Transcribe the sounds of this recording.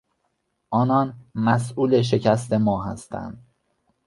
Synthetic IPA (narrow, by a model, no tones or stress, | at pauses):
ʔɒːnɒːnmæsʔuːle̞ʃ̬e̞cʰæst̪e̞mɒːɦæ̰st̪ʰæ̰nd̪̥̚